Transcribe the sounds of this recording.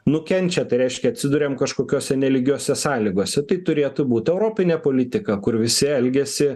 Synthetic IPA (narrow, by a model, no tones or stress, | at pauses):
nʊkʲɛnʲt͡ʃʲɛt̪ɐɪɾʲɛɪʃʲkʲɛɐt̪ʲsʲɪd̪ʊɾʲeːmkɐʃkoːkʲoːsʲɛnʲɛlʲɪɡʲuɔːsʲɛsɑːlʲɪɡoːsʲɛt̪ɐɪt̪ʊɾʲeːt̪ʊbuːt̪ʲɛʊɾoːpʲɪnʲeːpoːlʲɪt̪ʲɪkɐkʊrʋʲɪsʲɪɛlʲɡʲɛsʲɪ